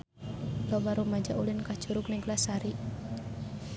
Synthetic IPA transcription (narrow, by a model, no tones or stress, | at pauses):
lɔbaɾumad͡ʒaʔulinkḁd͡ʒ̥uɾuk̚nɛŋɡlasaɾi